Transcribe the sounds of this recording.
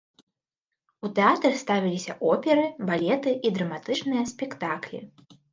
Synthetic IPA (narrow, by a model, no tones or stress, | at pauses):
ut̪ɛat̪ɾɐxst̪avʲilʲisʲɐ̰ʔɔpʲɛɾɨbalʲɛt̪ɨʔid̪ɾɐmat̪ɨt͡ʂnɨjɐsʲpʲɛkt̪aklʲḭ